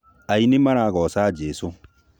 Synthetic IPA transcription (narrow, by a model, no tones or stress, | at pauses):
ainemaɾaɣɔsad͡ʒɛso